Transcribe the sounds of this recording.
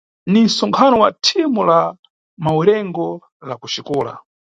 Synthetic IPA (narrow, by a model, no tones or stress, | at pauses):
nin̩sɔŋkʰanɔwatʰimula | mawuɾɛŋɡɔ | lakuʃikuːla̰